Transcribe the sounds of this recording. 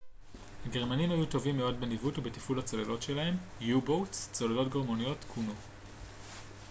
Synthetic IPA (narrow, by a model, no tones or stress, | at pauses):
haɡe̞ʁ̞manimhajuto̞vimːeo̞dbenivutubetifulhat͡solelo̞tʃe̞laɦe̞mjubowt͡st͡solado̞tɡoʁmonijo̞tkʰuno